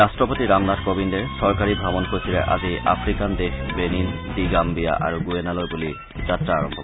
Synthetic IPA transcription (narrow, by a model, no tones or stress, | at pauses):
asʈɾopot̪iɾamnadkobind̪eʃɔɾkaɾibʱabonkosʰilḛʔa̰d͡ʑiʔa̰fɾikand̪exbenind̪iɡambija̰ʔa̰ɾuɡuenaloɾbuli | d͡ʑat̪ːɾaaɾo̰mbʱok